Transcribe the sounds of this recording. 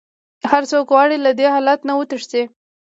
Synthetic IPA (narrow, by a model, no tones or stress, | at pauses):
haɾsokwɑɽilad̪ehɑlat̪nawət̪əʂt͡se